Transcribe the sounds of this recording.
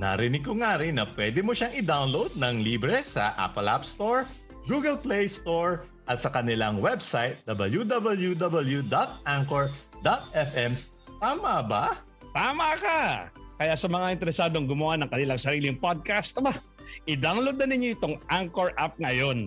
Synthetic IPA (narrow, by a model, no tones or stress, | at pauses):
nɐ̰ɾɪnɪɡ̚koŋaɾɪnɐpwɛd̪ɪmoʃaŋɪd̪awnlowd̪̚nɐŋliːbɾɛsɐ̰ʔa̰pɐlʔa̰pst̪oɹ | ɡuːɡɐlplɛjst̪oɹ | ʔɐt̪̚sɐkɐnɪlaŋwɛbsajt̪̚d̪ɐbɐljud̪abɐljud̪ɐbɐljud̪at̪̚ʔaŋkoɹd̪at̪̚ɛfʔɛm | t̪aːmɐba | t̪aːmɐkɐkɐjaʔsɐmɐŋaʔɪnt̪ɛɾɛsaːd̪oɐŋɡʊmʊwanɐŋkɐnɪlaŋsɐɾiːlɪŋpod̪̚kast̪ɐba | ʔɪd̪awnlowd̪̚nɐnɪɲːoʔɪt̪oŋʔaŋkoɹʔap̚ŋɐjo̞n